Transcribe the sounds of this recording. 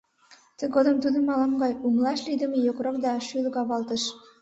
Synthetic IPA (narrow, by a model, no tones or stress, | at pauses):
t̪ɘ̆ɡod̪ɤ̆mt̪ud̪ə̆mɑlɑŋɡɑjumlˠɑʃlid̪ɘ̆mɘ̆jokɾokd̪ɑʃylɡɑβɑlˠt̪ɤ̆ʃ